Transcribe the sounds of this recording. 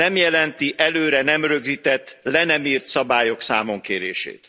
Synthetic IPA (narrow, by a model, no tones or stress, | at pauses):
ɛmjɛlɛnt̪iʔɛløːɾɛnɛmrø̞ɡzit̪ɛt̪ːlɛnɛmiːrt̪sɒbaːjo̞ksaːmo̞ŋkeːɾeːʃḛːt̪